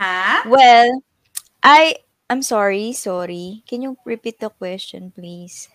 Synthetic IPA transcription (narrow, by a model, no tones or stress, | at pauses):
hawɛl | ʔaj | ʔajmsɔɹisɔːɹikɛnjʊɹɛpit̪̚d̪ɐkwɛst͡ʃɔ̰npliːs